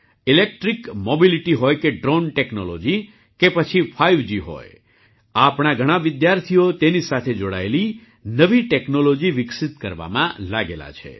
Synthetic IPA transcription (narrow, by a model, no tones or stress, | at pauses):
ilek̚ʈɾikmobiliʈiɦojkeɖɾonʈeknolo̰d͡ʒi | kepət͡ʃʰifʰaiʋd͡ʒiɦo̰j | apɳ̃aɡʱəɽ̃aʋɪd̪jaɾt̪ʰijot̪enisat̪ʰed͡ʒoɽa̰eli | nəʋiʈeknolod͡ʒiʋɪksit̪kəɾʋa̰mã̰laɡḛla̰t͡ʃʰḛ